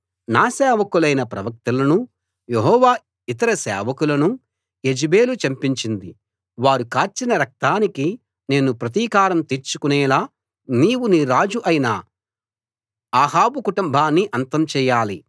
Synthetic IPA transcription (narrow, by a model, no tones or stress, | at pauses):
naːsɛːʋɐkulɐjnɐpɾɐ̰ʋɐk̚t̪ɐlɐnu | jeɦɔːʋaː | it̪ɐɾɐsɛ̰ːʋɐkulɐnu | e̞d͡ʒibe̞ːlut͡ʃɐmpiɲt͡ʃind̪i | ʋaːɾukaːɾt͡ʃinɐɾɐk̚t̪aːniki | ne̞ːnupɾɐt̪̬iːkaːɾɐmt̪eɾt͡ʃukunɛːlaː | niːwuniɾaːd͡ʒuʔɐjinɐ | aːɦaːbukuʈumbʱaːnːiʔɐnt̪ɐmt͡ʃɛːjaːlḭ